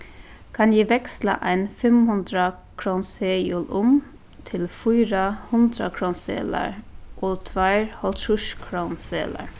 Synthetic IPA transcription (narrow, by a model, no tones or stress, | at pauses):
kʰɑnjiːʋɛkslɑ̰ʔæɪnfɛmhʉnd̪ɾɑ | kʰɾoːnseːjuːlʊm | t̪ʰɪlfuːɾɑhʉnd̪ɾɑ̰kʰɾoːnsḛːlə̰ɹʔoːt̪ʰʋæɪɹhɔlt̪ʰʉʃkʰɹoːnsḛːlə̰ɹ